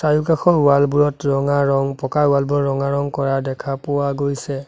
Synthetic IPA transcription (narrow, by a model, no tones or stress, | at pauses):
sajukaxɔuwalbuɹɔtɹɔŋaɹɔŋpɔkauwalbuɔɹɔŋaɹɔŋkɔɹadɛkʰapʊwaɡojsɛ